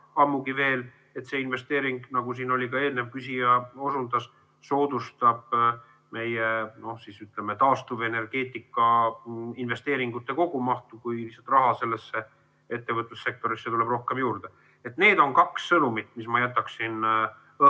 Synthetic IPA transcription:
ɑmːuɡive̞ːl | e̞t̪se̞inve̞st̪e̞ːɾiŋɡ̥nɑɡ̥usiːno̞lʲikɑe̞ːlne̞vkysʲijɑo̞sund̪ɑs | so̞ːd̪ust̪ɑb̥ | me̞jeno̞hsisyt̪lemet̪ɑːst̪uve̞ne̞rɡ̥e̞ːt̪ːˑikːˑɑ | inve̞st̪e̞ːɾiŋɡ̥ut̪ːˑe̞ko̞ɡ̥umɑht̪ukujisːɑt̪ːˑrɑɦɑse̞lːe̞sːe | e̞t̪ːe̞vɤt̪ːˑusse̞k̚t̪o̞ɾiset̪ule̞b̥ro̞hke̞mjuːrd̪̥e | e̞t̪ne̞ːd̪̥o̞nkɑksːɤnumit̪mismɑjæt̪ːˑɑksin

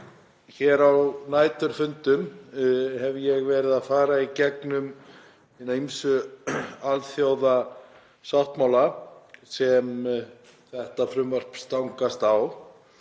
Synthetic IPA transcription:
çɛɾawnaːjt̪ʏɾfʏnt̪ʏm | hɛvjɛɣvɛːɾɪðaðfaːɾaicɛknʏm | inejmsʏ | alθjoːwða | sawht̪mawlasɛm | θɛht̪afɾʏmvar̥pst̪awŋkast̪aw

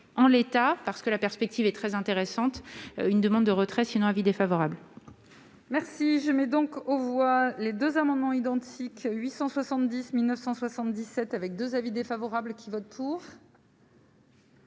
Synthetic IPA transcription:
ɑ̃let̪apaʁsə̥kəlapɛʁspɛk̚t̪ivɛt̪χɛzɛ̃t̪eʁesɑ̃t̪ynd̪əmɑ̃d̪ːəʁət̪χɛsinɔ̃ãvid̪efavɔʁabl | mɛʁsiʒəmɛd̪ɔ̃kovwaled̪øzamɑ̃d̪mɑ̃id̪ɑ̃t̪ʰikɥisɑ̃swasɑ̃t̪d̪ismilnəfsɑ̃swasɑ̃t̪d̪isɛt̪avɛk̚d̪øzavid̪efavɔʁablkʲivɔt̪̚pʰuʁ

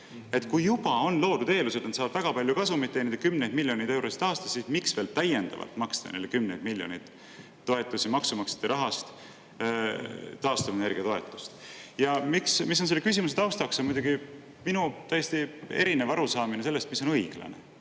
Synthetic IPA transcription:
e̞t̪kujːub̥ɑo̞nlo̞ːd̪̥ut̪e̞ːlused̪nɑt̪sɑːb̥væɡ̥ɑpɑlʲjukɑsumit̪ːˑened̪ekymnejd̪̥milʲːjo̞nid̪e̞wɾʔo̞si̥t̪ɑːst̪ɑ̥ssismiksve̞ːlt̪æjend̪̥ɑ̰vɑ̰lt̪mɑksd̪̥ɑ̰nḛlːekymnejd̪̥milʲjo̞̰nid̪̥ | t̪ːo̞e̞t̪ːˑusimɑksumɑkse̥t̪ːeɾʔɑɦɑst̪ | t̪ɑːst̪ɑvene̞rɡ̥iɑt̪oe̞t̪ːˑu̥st̪jɑmiksmisːo̞nse̞lkysʲimuset̪ɑwst̪ɑksemud̪uɡi | minut̪æjest̪ie̞̰ɾinevɑɾusɑːminese̞lːe̞st̪misːo̞nɤiɡ̥lɑ̰nḛ

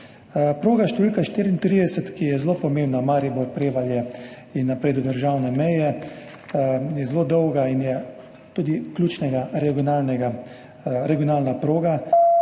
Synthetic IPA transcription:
pɾoːɡaʃt̪ɛʋiːlkaʃt̪iːɾint̪ɾiːd̪ɛsɛt̪kijɛzlopɔmeːmbnamaːɾiboɾpɾeːʋaljɛ | inːapɾeːd̪ud̪əɾʒaːwnɛmɛjɛ | jɛzloːd̪ɔwɡainjɛ | t̪uːd̪iklʲuːt͡ʃnɛɡaɾɛɡiɔnalnɛɡa | ɾɛɡijɔnaːlnapɾoːɡa

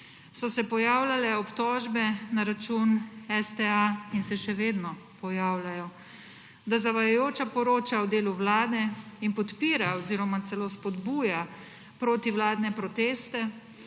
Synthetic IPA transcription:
sɔsɛpɔjaːwlalɛɔpt̪ɔːʒbɛnaɾat͡ʃunɛst̪ɛainsɛʃɛʋeːd̪nɔpɔjaːwlajɔ | d̪azaʋajajoːt͡ʃapɔɾoːt͡ʃawd̪eːluwlaːd̪ɛinpɔt̪piːɾaɔziːɾɔmat̪sɛloːspɔd̪buːja | pɾoːt̪iwlaːd̪nɛpɾɔt̪eːst̪ɛ

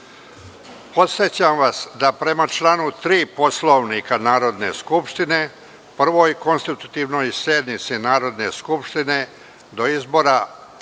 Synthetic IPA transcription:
po̞t̪sjet͡ɕamʋasd̪apɾe̞mat͡ʃlˠaːnut̪ɾiːpo̞slˠoʋnikanaːɾo̞d̪neskupʂt̪ine̞ | pr̩ʋo̞jko̞nst̪it̪u̥t̪iːʋnojseːd̪mit̪sinaːɾo̞d̪ne̞skupʂt̪ine̞ | d̪o̞izbo̞ːɾa

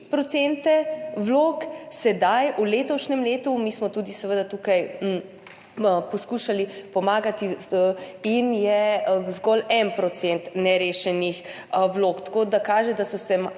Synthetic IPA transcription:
pɾɔt̪sent̪ɛwloksɛd̪ajuleːt̪ɔʃnɛmleːt̪umiːsmɔt̪uːd̪isɛʋəd̪at̪uːkaj | pɔskuːʃalipɔmaːɡat̪i | injɛzɡɔlɛnpɾɔt̪sent̪nɛɾeːʃɛnix | wlokt̪ḁkod̪akaːʒɛd̪asɔsɛm

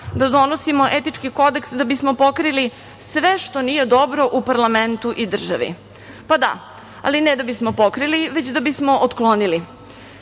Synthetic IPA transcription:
d̪ad̪o̞nosimo̞ʔet̪it͡ʂkiko̞d̪eksd̪abismo̞po̞kɾili | sʋeʃt̪oniːje̞d̪o̞bɾo̞ʔupaɾlament̪uʔid̪r̩ʒaʋḭ | pad̪a̰ | a̰linɛd̪abismopokɾiliʋet͡ɕd̪abismo̞ʔot̪klˠo̞nili

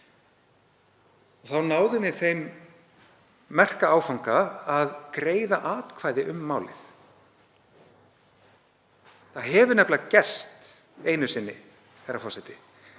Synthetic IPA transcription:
ɔɣθawnaːwðʏnɪθejm | ɛr̥kaaːwfawŋkaːðkɾeːjðaʔaːt̪kʰvaːjðɪʔʏmːaːwlɪ̰θ | θaðɦɛvʏɾnɛplɪðacɛ̥st̪ | ejnʏsɪnːɪ | θɛjrːafɔsajt̪ɪ̥

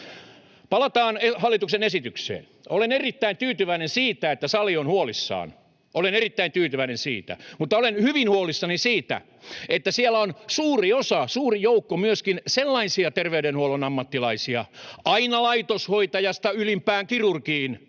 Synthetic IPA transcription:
pɑlɑt̪ɑːnehɑlːit̪uksenesit̪yksḛːn | olenerit̪ːæint̪yːt̪yʋæinensiːt̪æet̪ːæsɑlionhuolisːɑ̰ːn | ʔolenerit̪ːæint̪yːt̪yʋæinẽnsḭːt̪æ̰mut̪ːɑolenhyʋinhuolisːɑnisiːt̪æ̰ | et̪ːæsiælæonsuːriosɑsuːrijoukːomyøskinselːɑinsiɑt̪erʋeyɾenhuolonɑmːɑt̪ːilɑisiɑɑinɑlɑit̪oshoit̪ɑjɑst̪ɑylimpæːŋkirurkiːn

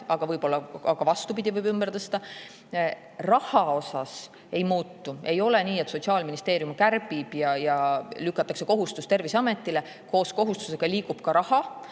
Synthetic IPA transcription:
ɑɡ̥ɑvɤjbo̞lːɑɑɡ̥ɑvɑst̪upid̪̥ʲivɤjbymb̥eɾt̪ɤst̪ɑ | rɑhɑo̞sɑs | e̞jmuːt̪ːue̞jo̞le̞niːet̪so̞t̪siɑːlminist̪e̞ːɾijumkærbib̥jɑjɑlykːˑɑt̪ːˑɑkse̞ko̞ɦust̪ust̪e̞rviseɑme̞t̪ːˑile | ko̞ːsko̞ɦust̪u̥se̞ɡ̥ɑliːɡub̥kɑɾɑhɑ

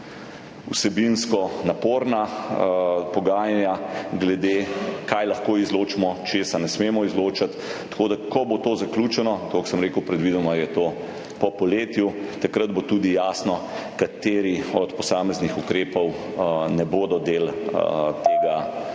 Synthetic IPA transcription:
ṵsɛbinskɔnapoːɾna | pɔɡaːjanjaɡlɛd̪ekajlaxkoːizloːt͡ʃimɔt͡ʃeːsanɛsmeːmɔizloːt͡ʃat̪ːḁkoːd̪akɔbot̪oːzaklʲuːt͡ʃɛnɔt̪oksəmɾeːkəwpɾɛd̪ʋiːd̪ɔmajɛt̪oː | pɔpɔleːt̪jut̪akɾəd̪̚bot̪uːd̪ijaːsnɔ | kat̪eːɾiɔt̪pɔsaːmɛznixukɾeːpɔw | nɛboːd̪ɔd̪eːlt̪eːɡa

